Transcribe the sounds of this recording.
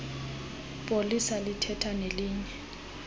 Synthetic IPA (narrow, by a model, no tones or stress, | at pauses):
pʼolisalɪtʰɛtʰaneliːɲɛ